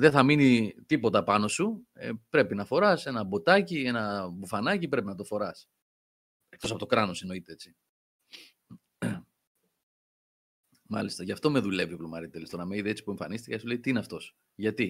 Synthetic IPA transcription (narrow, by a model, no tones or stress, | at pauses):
ðeθɐminit̪ipo̞t̪ɐpɐno̞suḛpɾe̞pinɐfo̞ɾɐse̞nɐbo̞t̪ɐcie̞nɐbufɐnɐcipɾe̞pinɐt̪ofo̞ɾɐs | ek̚to̞s̬ɐpot̪o̞kɾɐno̞seno̞it̪eet͡si | mɐ̰list̪ɐʝɐft̪o̞me̞ðule̞vioplomɐɾit̪elist̪onɐmeiðeet͡si̥pueɱfɐ̰nist̪ikɐesuleit̪iineɐft̪o̞s | ʝɐt̪i